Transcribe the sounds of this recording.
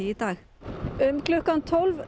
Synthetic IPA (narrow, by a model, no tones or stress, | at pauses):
ɪd̪ɑːɣ | ʏmkʰlɔkːant̪ʰɔlv